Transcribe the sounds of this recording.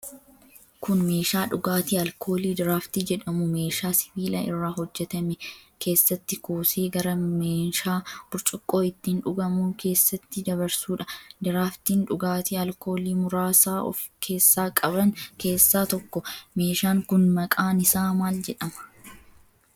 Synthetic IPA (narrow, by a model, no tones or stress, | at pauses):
kʊnme̞ːʃaːᶑʊɡaːt̪iːɐlkʰo̞ːliːd̪ɪɾaːft̪iːd͡ʒɛᶑɐmʊme̞ːʃaːsɪ̥biːlɐɪ̰rːaːhɔd͡ʒːɛt̪ɐmɛkʰe̞ːsːɐt̪ːɪkoːseːɡɐɾɐmeːʃaːb̥ʊɾt͡ʃʼʊkʼːo̞ːɪt̪ːinᶑʊɡɐmuːkʰe̞ːsːɐt̪ːɪd̪ɐbɐɾsuːᶑɐd̪ɪɾaːft̪iːnᶑʊɡaːt̪iːɐlkʰo̞ːliːmʊɾaːsaːɔ̰fkʰe̞ːsːaːkʼɐbɐŋke̞ːsːaːt̪ɔkːɔme̞ːʃaːŋkʊnmɐkʼaːnɪsaːmaːld͡ʒɛᶑɐmɐ̥